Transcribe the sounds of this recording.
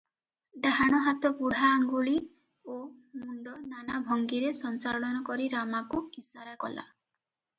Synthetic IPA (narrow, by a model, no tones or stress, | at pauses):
ɖaɦaɽ̃ɔɦat̪ɔbuɽ̤aːŋɡuɭi | omuɳɖɔnanabʱɔŋɡiɾesɔnt͡ʃaɾɔɭɔnɔkɔɾiɾamakuisaɾakɔ̰la̰